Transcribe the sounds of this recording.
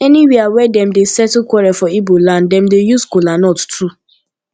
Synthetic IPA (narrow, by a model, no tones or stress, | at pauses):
ɛniwiawɛdɛmdesɛtlkwɔɹɛfɔibolãndɛ̃mdejuskolanɔttɾu